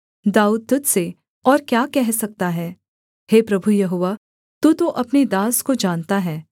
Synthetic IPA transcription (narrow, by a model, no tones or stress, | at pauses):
d̪aːuːd̪̚t̪ʊt̪se | ɔːɾkjaːkɛɦsɐk̚t̪aɦɛː | heːpɾɐbʱujɐɦoːʋa | t̪ut̪oʔɐpned̪aːskod͡ʒaːnt̪aɦɛː